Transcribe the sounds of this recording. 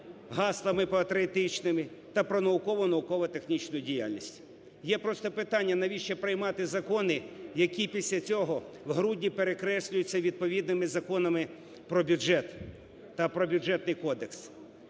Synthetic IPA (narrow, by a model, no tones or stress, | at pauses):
ɦɑslˠɐmɪpɔɐt̪ɾet̪ɪt͡ʃnɪmɪt̪ɐpɾɔnɐʊkɔʋɔnɐʊkɔʋɐt̪exnʲit͡ʃnʊjʊdʲija̰lʲnʲḭsʲtʲ | jɛpɾɔst̪ɔpɪt̪ɑnʲːɐnɐʋʲiʃt͡ʃɛpɾɪjmɑt̪ɪzɐkɔnɪjɐkʲipʲisʲlʲɐt͡sʲɔɦɔ | wɦɾudʲnʲipeɾekɾɛsʲlʲʊjʊt͡sʲːɐʋʲid̪̚pɔʋʲid̪nɪmɪzɐkɔnɐmɪ | pɾɔbʲʊd͡ʒɛt̪ː | ɐpɾɔbʲjʊɛt̪nɪjkɔd̪eks